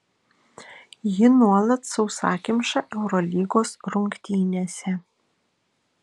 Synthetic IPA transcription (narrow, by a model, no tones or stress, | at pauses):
jɪnuɔlˠɐt̪sɐʊsɑːkʲɪmʲʃɑʔɛʊɾɔlʲiːɡoːsɾʊŋkt̪ʲiːnʲesʲɛ